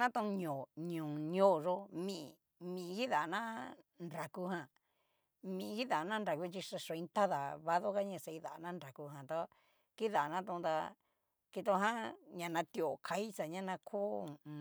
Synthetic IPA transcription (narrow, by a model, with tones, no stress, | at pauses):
nã˦t̪ũ˧ɲõ˨ɲũ˨ɲõ˦˨ʐo˧mĩ˧˨˧ | mĩ˨˧ki˦ða˨˧nã˦nda˨ku˧hã˧ | mĩ˨˧ki˦ða˨˧nã˦nɾa˨ku˧t͡ʃi˧ʂa˧ʂo˧ĩ˧nt̪a˦ða˨βa˧ðo˦ka˦ɲã˧˨sa˧i˧ða˨˧nã˦nɾa˨ku˧ɦã˨t̪a˧ | ki˦ða˨˧nã˦t̪ũ˧ũ˧t̪a˧ | ki˧t̪o˧ɦã˦ɲã˧nã˧t̪i˧o˧˨kʰa˧˦i˦sa˨ɲã˦nã˧kʰo˦